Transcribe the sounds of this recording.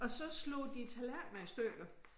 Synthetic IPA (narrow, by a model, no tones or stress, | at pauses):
ɒ̽sɒ̽slo̰ːd̥it͡sʰælænmæisd̥øɡ̥ð